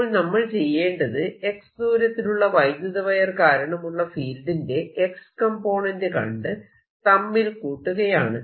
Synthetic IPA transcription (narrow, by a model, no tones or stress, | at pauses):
ɭnɐmːɐɭt͡ɕe̞jːe̞ːɳɖɐðɨe̞ksd̪uːɾɐt̪ːinuɭːɐʋɐjd̪jɐðɐʋɐjɐrkaːɾɐɳɐmuɭːɐfiːldinde̞ekskɐmpo̞ːɳɐndɨkɐ̰ɳɖɨ | t̪ɐmːilkuːʈːuɣɐjaːɳɨ